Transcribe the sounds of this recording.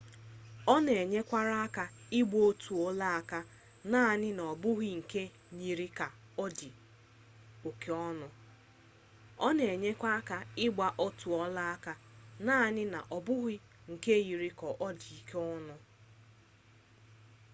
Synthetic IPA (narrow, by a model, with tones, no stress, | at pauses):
ɔ˦ne˨e˨ɲe˦kʷa˦ɾa˦a˦ka˦ɪ˦ɡ͡bo˦o˦tʰu˨ɔ˦la˦a˦ka˦ | naː˦˨nɪ˦n˨ɔ˨bʊ˦ɦi˦ŋ̩˨ke˦ | ɲi˨ɾi˦ka˨ | ɔ˦di˨ | o˨ke˦ɔ˦nʊ˦ | ɔ˦ne˨e˨ɲe˦kʷa˦a˦ka˦ɪ˦ɡ͡ba˦ʔo˦tu˨ɔ˦la˦a˦ka˦naː˦˨nɪ˦na̰˨ʔɔ˨bʊ˦ɦɪ˦ | ŋ̩˨ke˦ji˨ɾi˦kɔ˨ʔɔ˦di˨i˨ke˦ɔ˦nʊ˦